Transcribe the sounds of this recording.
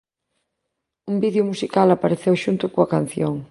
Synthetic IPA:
umbiðjʊmusikalapaɾeθewʃunt̪ʊkoɐkan̟θjoŋ

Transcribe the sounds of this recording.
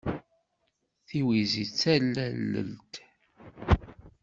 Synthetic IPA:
θiwizit͡sːælːælːə̰lt̪

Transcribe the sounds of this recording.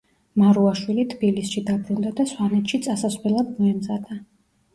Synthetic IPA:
maɾuaʃwilit̪ʰb̥ilisʃid̪abɾund̪ad̪aswanɛt̪ʰʃit̪sʼasasvɛlˠad̪mɔɛmzad̪a

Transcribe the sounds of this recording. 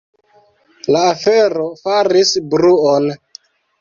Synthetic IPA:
laːfe̞ɾo̞faɾisbɾuon

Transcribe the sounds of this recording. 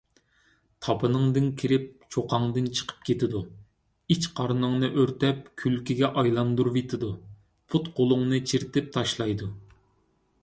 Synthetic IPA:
t̪ʰɑpʰɨnɨŋd̪ɨnkʲʰiɾɪp̚t͡ʃʰoqʰɑŋd̪ɨnt͡ʃʰə̥qʰə̥p̚kʲʰet̪ʰɪd̪u | it͡ʃqʰɑɾnɨŋnɨʔøɾt̪ɛp̚kʲʰylkʲiɡʲɛʔɑjlˠɑnd̪uɾvet̪ʰɪd̪u | pʰut̪qʰolˠʊŋnɨt͡ʃʰiɾt̪ɪp̚t̪ʰɑʃlˠɑjd̪u

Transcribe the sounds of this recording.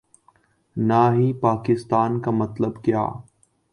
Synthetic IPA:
naːɦipaːkɪst̪aːnkamɐt̪ləbkja̰ː

